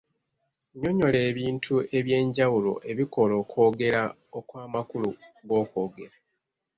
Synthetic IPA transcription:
ɲo̞ɲo̞le̞ːβiːntʰue̞βje̞ːɲɟawulo̞̰ʔe̞βiko̞lo̞ːko̞ːɡe̞ɾa | o̞kwaːmakuluɡo̞ːko̞ːɡe̞ɾa

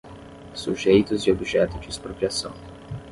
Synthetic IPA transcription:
suʒejt̪ʊzd͡ʒɪobiʒɛt̪ʊd͡ʒɪːspɾopɾiasɐ̰̃w̃

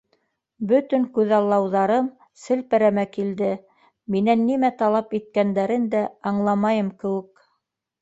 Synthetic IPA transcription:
bɵt̪ɵŋkʉðɑlˠːɑwðɑɾɤm | sɘ̆lpɘ̆ɾæmækild̪ɘ | minænːimæt̪ɑlˠɑpit̪̚kænd̪æɾɘnd̪æɑɴlˠɑmɑjɤmkɘ̆wɘ̆k

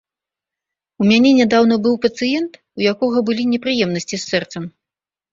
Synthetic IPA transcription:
umʲanʲɛnʲɛd̪awnɐbɨwpɐt̪sɨjɛnt̪ | ujakɔɣɐbɨlʲinʲɛpɾɨjɛmnɐsʲt͡sʲisːɛrt̪sɐm

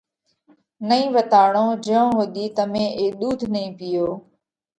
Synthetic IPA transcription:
nəĩːʋət̪aːɽõːd͡ʒəõːɦoɗ̪iːt̪əmẽːʔeːɗ̪uːd̪ʱnəĩːpɪjoː

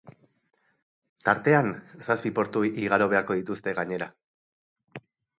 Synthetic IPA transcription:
t̪aɾt̪e̞ansaspipo̞ɾt̪uiɣ̞aɾo̞β̞e̞ako̞ð̞it̪ust̪e̞ɣaɲe̞ɾa

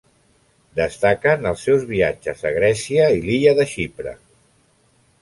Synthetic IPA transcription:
d̪əst̪akənəlˠsɛwzβiad͡ʒəzəɣ̞ɾɛsiəiliʎəðəʃipɾə̰

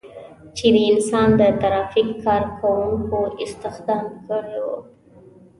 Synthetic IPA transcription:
t͡ʃed̪əɪnsɑnd̪ət̪aɾɑfikːɑɾkʰawuŋkoʔɪst̪ɪxd̪ɑmkəɽewo̰

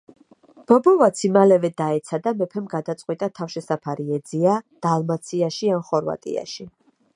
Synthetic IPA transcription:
b̥ɔbɔvat̪sʰimalɛvɛd̪aɛt̪sʰad̪amɛpʰɛmɡad̪at̪sʼqʼwit̪ʼat̪ʰafʃɛsapʰaɾiɛd̪ziad̪̥alˠmat̪sʰiaʃiamχɔɾva̰t̪ʼḭa̰ʃi

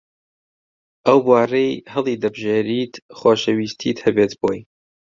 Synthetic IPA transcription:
ʔɐwbwɑːrejhɨlˠiːd̪ɐbʒeːɾiːt̪χoːʃɐwiːst̪ʰḭːt̪hɛbeːt̪boːj

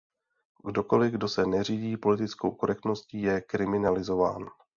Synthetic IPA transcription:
ɡdo̞ko̞lɪɡdo̞sɛnɛr̝iːɟiːpo̞lɪt̪ɪt͡skowko̞ɾɛk̚t̪no̞sciːjɛkɾɪmɪnalɪzo̞va̰ːn

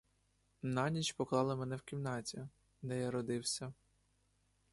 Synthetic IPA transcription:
nɑnʲit͡ʃʲpɔklˠɑlˠɪmɛnɛwkʲimnɑtʲi | d̪ɛjaɾɔd̪ɪwsʲɐ

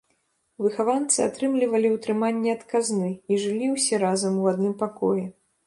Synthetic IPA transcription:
vɨxavant̪sɨat̪ɾɨmlʲivɐlʲiwt̪ɾɨmanʲːɛɐt̪kaznɨiʐɨlʲiwsʲɛɾazɐmwad̪nɨmpakɔjɛ

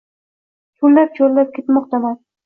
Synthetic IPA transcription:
t̪ʰʊlːap̚t͡ʃʰolːap̚kʲe̞t̪mɒq̚t̪aman

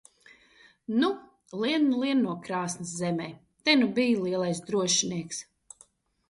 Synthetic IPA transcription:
nu | lˠiɛnːulˠiɛnːuɔkɾaːsnɨszɛmɛj | t̪ɛnubijlˠiɛlˠajsd̪ɾuɔʃiniɛks

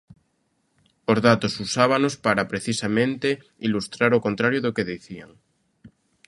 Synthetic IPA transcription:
ozðat̪osusaβanospaɾapɾeθisamẽnt̪e | ilust̪ɾaɾokont̪ɾaɾjoðokeðiθia̰ŋ

